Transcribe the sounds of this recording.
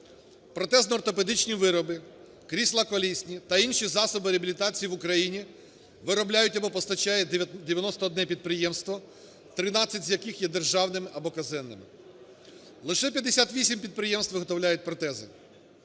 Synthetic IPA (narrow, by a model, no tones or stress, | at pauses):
pɾɔt̪ɛznɔːrt̪ɔped̪ɪt͡ʃnʲiʋɪɾɔbɪ | kɾʲisʲlˠɐkɔlʲisʲnʲit̪ɐinʃizɑsɔbɪɾʲɪɐbʲilʲit̪ɑt͡sʲijiʋʊkɾɐjinʲi | ʋɪɾɔblʲajʊtʲɐbɔpɔst̪ɐt͡ʃɑjɛd̪ʲeʋʲjɐnɔst̪ɔːd̪nɛpʲid̪̚pɾɪjɛmst̪ʋɔ | t̪ɾɪnɑt͡sʲːɐtʲzʲjɐkɪxjɛd̪erʒɑwnɪmɪʔɐbɔkɐzɪnːɪ̰mɪ̰ | lˠɪʃɛpʲjɐd̪ːesʲat̪ʋʲisʲimpʲid̪̚pɾɪjɛmst̪ʋɪɦɔt̪ɔwlʲajʊt̚ʲpɾɔt̪ɛzɪ̰